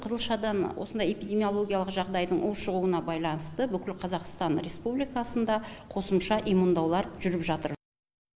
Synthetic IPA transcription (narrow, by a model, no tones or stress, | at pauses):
qʰəzəlˠʃɑd̪ɑnwo̰sənd̪ɑje̞pijd̪ʲe̞mio̞lˠo̞ɡʲijalˠəqʒɑʁd̪ɑjd̪əɴʔʊlˠʃəʁuwənɑbɑjlˠɑnəst̪əbʏkʲɪlqʰɑzɑqst̪ɑnɾʲe̞spublijkɑsənd̪ɑqʰo̞səmʃɑʔijmund̪ɑwlˠɑɾəpʒʏɾɪpʒɑt̪əɾ